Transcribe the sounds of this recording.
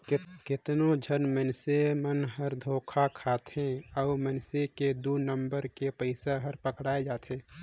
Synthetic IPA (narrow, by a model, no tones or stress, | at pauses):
kɪt̪nõd͡ʒʱənmənsemənɦəɾd̪ʱoːkʰakʰaːt̪ɦẽɔːmənseked̪unəmbəɾkepəɪsaɦəɾpəkɽaːed͡ʒaːt̪ʰɦẽː